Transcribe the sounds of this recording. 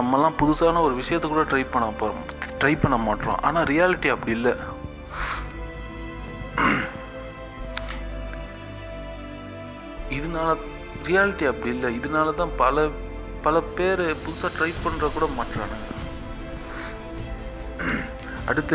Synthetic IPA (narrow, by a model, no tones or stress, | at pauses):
nɐmːɐlːãːpʊðʊsaːnɐɔɾɯʋɪʂɐjɐt̪ːɛkːuːɽɐʈɾɐɪpɐɳːɐpː | ʈɾɐɪpɐɳːɐmaːʈɾõ̰ʔa̰ːnaːɾɪjaːlɪʈːiɐpːɐɽɪjɪlːɐ | ɪðɯnaːlɐ | ɾɪjaːlɪʈːiɐpːɐɽɪjɪlːɐɪðɯnaːlɐt̪ãːpɐlɐ | pɐlɐpeːɾpʊðʊsaːʈɾɐɪpɐɳɾɐkuːɽɐmaːʈɾaːn | ɐ̰ɽɯt̪ːɐ